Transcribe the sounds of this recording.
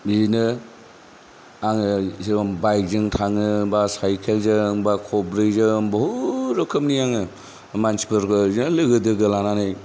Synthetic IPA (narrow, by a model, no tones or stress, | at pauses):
inɯ | aŋɯsiabajk̚zɯŋtʰaŋɯbasajkʰelzɯŋbakʰɔbɾɯjzɯbɔhuɾɔkʰɯm̚nijaŋɯ | mansi̥pʰɯɾkznɯlɯɡɯdɯɡɯlananɯj